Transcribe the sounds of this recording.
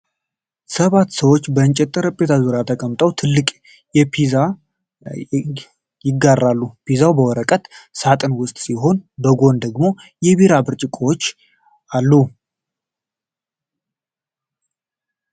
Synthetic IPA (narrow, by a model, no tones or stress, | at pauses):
səβat̪ːsəwot͡ʃːbəɨnt͡ʃʼɛt̪ʼːɨɾəpʼːet̪ʰazuɾjat̪ʰəkʼəmt̪ʼəwt̪ʰɨlːɨkʼ | jɛpʰiza | jɪɡːarːalːupʰizawbəwɔɾəkʼət̪sat̪ʼɨnwʊst̪ʼsiɦo̞nbəɡo̞nd̪əɡmo̞jɛβiɾabɨɾt͡ʃʼɪkʼoot͡ʃː | alːu